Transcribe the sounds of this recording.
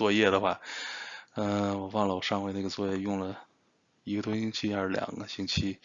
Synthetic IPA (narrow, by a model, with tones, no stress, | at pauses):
wɔ˥˧jɛ˥˩d̪ə˩xwa˥˩ | ə˧wɔ˨˩wɑ˥˩ŋlə˩wɔ˨˩ʂɑ˥˧ŋxwe˥˧ɪna˥˩ɡə˩t͡swɔ˥˧jɛ˥˧jʊ˥˩ŋlə˩ | i˧˥ɡə˧t̪ʰʊ˥ŋɕi˥ŋt͡ɕʰi˥a˞˥˧˥ʂ̩˥ljɑ̰˨˩ŋɡə˦ɕi˥ŋt͡ɕʰi˥